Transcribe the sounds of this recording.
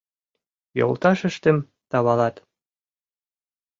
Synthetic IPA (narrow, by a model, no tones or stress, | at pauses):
jo̰lˠt̪ɑʃɘ̆ʃt̪ɘ̆m | t̪ɑβɑlˠɑt̪